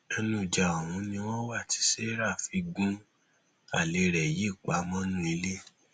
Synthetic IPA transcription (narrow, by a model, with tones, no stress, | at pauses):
ɛ˧nũ˧˨d͡ʒa˨a˨w̃ũ˨˦nĩ˧w̃ɔ̃˦wa˦˨ti̥˨˦se˦ɾa˦˨fi˨˧˦ɡũ˦ | a̰˦˨le˨˦ɾɛ˨je˦˨k͡pa˨˦mɔ̃˦nũ˦i˧le˦